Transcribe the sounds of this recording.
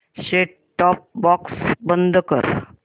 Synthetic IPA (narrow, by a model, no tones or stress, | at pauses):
ɕeʈ | ʈːɔp̚bɔksbənd̪ʱkə̰ɾ